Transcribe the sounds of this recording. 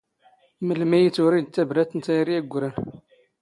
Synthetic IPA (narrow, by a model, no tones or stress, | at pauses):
məlmæjət͡sːʊɾid̪̚t̪ːæbɾæt̪ːənt̪æjriæɡʷːɾæn